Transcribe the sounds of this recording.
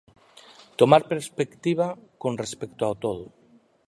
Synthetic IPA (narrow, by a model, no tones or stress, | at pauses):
t̪omaɾpeɾspekt̪iβ̞akonrespekt̪oawt̪oð̞u